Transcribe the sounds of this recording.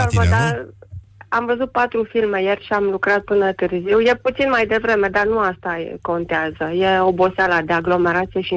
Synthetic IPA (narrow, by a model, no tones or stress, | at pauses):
əvəd̪a | amvəzut̪̚pat̪ɾufilme̞jerʲʃiamlukɾat̪̚pɨnət̪ɨrziwje̞put̪sinmajd̪e̞vɾe̞me̞d̪arnuast̪a̰ko̞nt̪eazəje̞o̞bo̞salad̪e̞aɡlo̞me̞ɾat̪sije̞ʃi